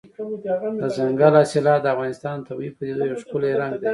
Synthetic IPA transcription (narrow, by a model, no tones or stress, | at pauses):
d̪əzaŋɡalɑsɪlɑd̪əafɣɑnɪst̪ɑnt̪ʰabaipəd̪ed̪ujawʃkʊleɾaŋɡd̪e